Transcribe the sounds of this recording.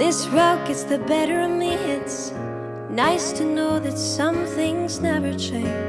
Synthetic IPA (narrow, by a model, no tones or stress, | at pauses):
ðɪsɹʌk̚ɨtsðɨbɛɾə˞ɨ̃nðihɪts | naɪstʰɨnoʊðɨtsʌ̃mθɪ̃ŋznɛvə˞t͡ʃʰẽɪ̃n